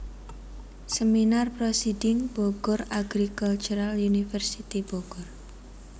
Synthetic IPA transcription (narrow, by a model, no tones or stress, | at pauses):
səminarpɾosidɪŋb̥oɡ̥ɔraɡɾikult͡ʃuɾaljunifɛrsit̪iboɡ̥ʊr